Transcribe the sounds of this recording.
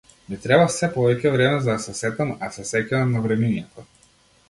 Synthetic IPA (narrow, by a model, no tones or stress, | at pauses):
mit̪ɾɛbafsɛpɔvɛcʲɛvɾɛmɛzad̪asɛsɛt̪amasɛsɛcanamnavɾɛminɛt̪ɔ